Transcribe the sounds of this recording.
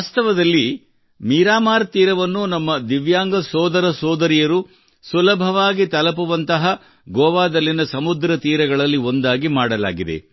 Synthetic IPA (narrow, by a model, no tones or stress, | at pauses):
ast̪ɐʋɐd̪ɐlːi | miːɾaːmaːɾt̪iːɾɐʋɐnːunɐmːɐd̪iʋjaːŋɡɐsɔːd̪ɐɾɐsɔːd̪ɐɾijɐɾu | sulɐbʱɐʋaːɡit̪ɐlɐp̬uʋɐnt̪ɐɦɐ | ɡɔːʋaːd̪ɐlːinɐsɐmud̪ɾɐt̪iːɾɐɡɐɭɐlːio̞nd̪aːɡimaːɽɐla̰ːɡid̪ḛ